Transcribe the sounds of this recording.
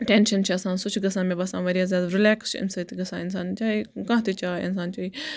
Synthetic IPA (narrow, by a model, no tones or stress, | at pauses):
ʈenʃɐnt͡ʃʰiɐsãːsʊt͡ʃʰɡɐsãːmẽbɐsãːʋɐɾijaːzʲjaːd̪ɾɪlɛːkst͡ʃʰɪ̰nsɐt̪ʰiɡɐsã̰ːɪnsaːnt͡ʃaːekãːt̪ʰit͡ʃaːɪ̰nsaːnt͡ʃaːiː